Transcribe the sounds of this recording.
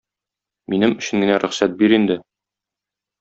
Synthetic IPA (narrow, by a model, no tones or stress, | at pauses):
minɘmɵ̆ɕɘ̆ŋɡɘ̆næɾʔɵ̆χsæt̪̚biɾind̪ɘ